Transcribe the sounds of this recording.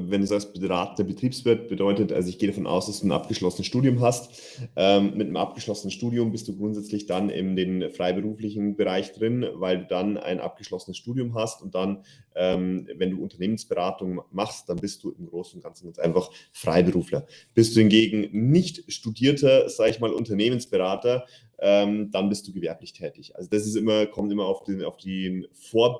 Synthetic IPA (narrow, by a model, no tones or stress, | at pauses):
vɛnduːzasb̥əʁaːtənɐbətʁ̥iːpsv̥ɪɐt̚b̥ədɔʏtətʔa̰lzoɪçɡ̥eːəɾafɔnʔa̰ʊsd̥asd̥uːnʔa̰p̚ɡ̥əʃlɔsənəsʃtuːdjʊmɦast | ʔɛːmmɪtnəmʔa̰p̚ɡ̥əʃlɔsənənʃtuːdiʊmbɪst̚d̥uːɡʁʊntzɛt͡slɪçd̥anɪ̰ndeːnfʁ̥aɪbəʁuːflɪçn̩bəʁaɪçd̥ʁɪnvaɪlduːdana̰ɪnʔa̰p̚ɡ̥əʃlɔsənəsʃtuːdjʊmɦastʊnt̚d̥anʔɛːmvɛnduːʊntɐneːmənsb̥əʁaːtʊŋmaχst̚d̥anbɪst̚d̥uːɪmɡʁoːsn̩ʊntɡ̥ant͡sn̩ɡ̥anʔa̰ɪnfaχfʁ̥a̰ɪbəʁuːflɐ̰ | b̥ɪstd̥uːhɪnɡeːɡŋ̩nɪçtʃtudiːɐtʰɐz̥aːɡəɪçmaːlʔʊ̰ntɐneːmənsb̥əʁaːtɐ | ʔɛːmd̥anbɪst̚d̥uːɡəvɛɐplɪçtʰɛːtɪçʔa̰lzod̥as̬ɪstʔɪmɐkʰɔmtʔɪmɐaʊfd̥ea̰ʊfd̥iːnfoːɐ